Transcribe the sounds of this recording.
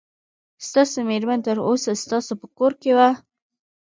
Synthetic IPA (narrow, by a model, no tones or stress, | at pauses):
st̪ɑsomeɾmənt̪əɾosast̪ɑsopəkoɾkewa